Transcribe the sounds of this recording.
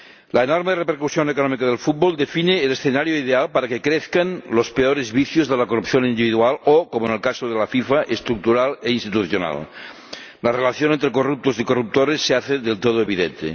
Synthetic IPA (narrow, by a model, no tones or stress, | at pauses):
laenoɾmerepeɾkusjonekonɔmikað̞elfut̪̚bold̪efineːlesθenaɾjoiðealpaɾakekɾeθkanlospeoɾezβiθjozðelakorupθjonind̪iβiðualokomoenelkasoð̞elafifaʔest̪ɾuk̚t̪uɾaleinst̪it̪uθjona̰l | larelaθjonẽnt̪ɾekorup̚t̪osikorup̚t̪oɾesːeaθeðelt̪oð̞oeβiðḛnt̪ḛ